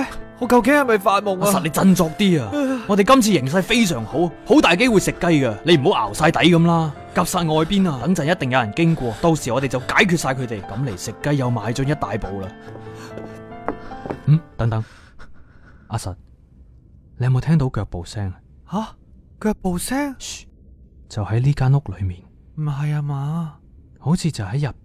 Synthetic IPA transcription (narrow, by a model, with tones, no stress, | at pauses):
ɔ˨˧˥kɐ˧wkɪ˨˥ŋhɐ˨˩jmɐ˨˩jfaː˧t̚mʊ˨ŋʔːsɐ˨le˨˧jt͡sɐ˧nt͡sɔː˧k̚t̪iː˥aː˧ɔː˨˧t̪e˨jkɐ˥mt͡sʰiː˧jɪ˨˩ŋs̬ɐ˧jfe˥jsœː˨˩ŋho˨˥who˨˥wt̪aː˨jke˥jwu˨jsɪ˨kːɐ˥jkɐ˧le˨˧jm̩˨ɦo˨˥wʔa̰ː˨˩wsaː˧jt̪ɐ˨˥jkɐ˨˦mlaː˥ | kɐ˨˩p̚saː˧t̚ŋɔː˨˧jpiː˥nɐː˧t̪ɐ˨˥ŋt͡sɐ˨njɐ˥t̪e˨ŋjɐ˨wjɐ˨˩nkɪ˥ŋkʷɔː˧t̪o˧wsiː˨˩ɔ˨˧t̪e˨jt͡sɐ˨wkaː˨˥jkʰyː˨˧t̚saː˧jkʰɵ˨˧t̪e˨jkɐ˨˥mle˨˩jsɪ˨kːɐ˥jːɐ˨˧wmaː˨˧jt͡ʃœ˥ŋjɐ˥t̚t̪aː˨jpo˨wlaː˧ | m̩˨˩t̪ɐ˨˥ŋt̪ɐ˨˦ŋ | ʔaː˧sɐ˨t̚ | ljhɐ˨mːo˨˧t̪ʰɛː˥ŋt̪o˨˥wkœː˧k̚po˨wsɛː˥ŋɐ | ha˨˧kœː˧k̚po˨˧wsɛː˥ŋ | t͡sɐ˨whɐ˨˥jliː˥kaː˥nlʊ˥k̚lɵ˨˧ɥmiː˨˩n | m̩˨˩ɦɐ˨jaː˧maː˧ | ho˨˥wt͡sʰiː˧t͡sɐ˨whɐ˨˥jɐ˨p̚